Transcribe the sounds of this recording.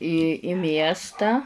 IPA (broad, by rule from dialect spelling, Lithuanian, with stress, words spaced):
iː ɪ ˈmʲiɛstɑː